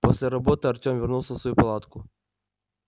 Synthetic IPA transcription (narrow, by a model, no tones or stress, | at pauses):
pɔsʲlʲaɾɐbɔt̪ɨɐrt͡ʃʲɔmvʲɛrnuwsʲɔsʋɔjupɐlˠɑt̪kʊ